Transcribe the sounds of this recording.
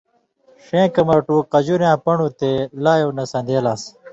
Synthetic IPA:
ʂẽːkɐmɐɾʈũːqɐd͡ʑuɾjãːpɐɳut̪elaːjoːnɐsɐ̃nd̪eːlaːs

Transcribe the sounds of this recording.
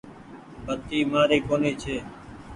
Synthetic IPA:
bət̪iːmaːɾeːkoːneːt͡ʃʰeː

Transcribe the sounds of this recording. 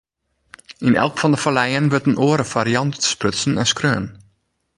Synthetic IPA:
ʔinɛ̰lˠkfɔndəfalɛjənʋətənʔoəɾəfaɾiɑntspøsn̩ɛnskrøːən

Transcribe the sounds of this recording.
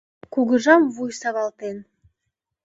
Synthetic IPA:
kuɡə̆ʒɑmvujsɑβɑlˠt̪en

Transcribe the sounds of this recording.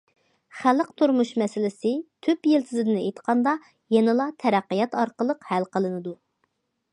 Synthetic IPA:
χæləqt̪ʰuɾmuʃmɛsɪlɪsɪt̪ʰypjelt̪ʰɪzɪd̪ɪnɪejt̪qʰɑnd̪ɑ | jɛnɨlˠɑt̪ʰɛɾæqːijɑt̪ɑɾqəlˠəqhælqʰəlˠɨnɨd̪u

